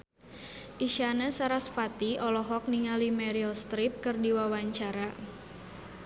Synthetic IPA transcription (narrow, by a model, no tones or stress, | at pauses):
ʔiʃanasaɾasfat̪iɔlɔɦɔk̚niŋalimɛɾilst̪ɾip̚kɨrdiwawaɲt͡ʃaɾa